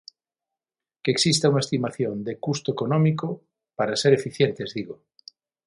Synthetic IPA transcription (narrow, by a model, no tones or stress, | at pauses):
keeksist̪auŋaɐest̪imaθjond̪ekust̪oekonɔ̃miko | paɾaseɾefiθjent̪ezðiɣo